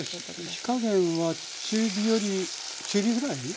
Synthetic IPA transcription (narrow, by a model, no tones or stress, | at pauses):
ɕi̥kaɡẽɰ̃βa | t͡ɕɨbʲijoɾʲi | t͡ʃɨɾʲiɡɯɾai